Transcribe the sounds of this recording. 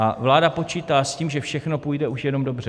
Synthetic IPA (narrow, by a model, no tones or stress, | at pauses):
ʔavlaːdapo̞t͡ʃiːt̪aːsciːmʒɛfʃɛxno̞puːjdɛuʃjɛno̞mdo̞br̝ɛ